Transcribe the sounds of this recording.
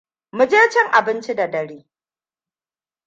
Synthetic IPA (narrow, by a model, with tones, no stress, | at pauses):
mʊ˨d͡ʒeː˦t͡ʃɪ˦ŋʔa˨bɪ˦nt͡ʃi˦da˨dɐ˨ɽiː˦